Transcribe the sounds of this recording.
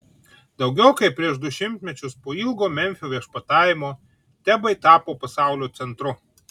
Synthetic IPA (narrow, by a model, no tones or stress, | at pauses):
d̪ɒʊɡʲɛʊkɐɪpʲɾʲiɛʃd̪ʊʃʲɪmʲt̪ʲmʲɛt͡ʃʲʊspoːiːlˠɡoːmʲɛmʲfʲoːʋʲiɛʃpɐt̪ɑːjɪmoː | t̪ʲæbɐɪt̪ɑːpoːpɐsɑˑʊlʲoːt̪sʲɛnt̪ɾʊ